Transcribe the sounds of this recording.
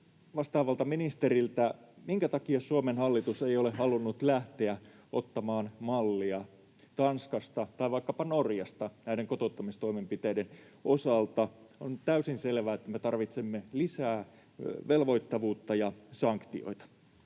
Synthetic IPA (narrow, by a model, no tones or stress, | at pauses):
ʋɑst̪ɑːʋɑlt̪ɑminist̪eɾilt̪æ | miŋkæt̪ɑkiɑsuomenhɑlːit̪usejolehɑlunːut̪læht̪eæ | ʔo̰t̪ːɑmɑːnmɑlːiɑ | t̪ɑnskɑst̪ɑt̪ɑiʋɑikːɑpɑnorjɑst̪ɑnæideŋkot̪ot̪ːɑmist̪o̞imempit̪eijden | osɑlt̪ɑont̪æysinselʋæet̪ːæmet̪ɑrʋit̪semːelisæː | ʋelʋo̞jt̪ːɑʋuːt̪ːɑjɑsɑŋkt̪io̰jt̪ɑ̥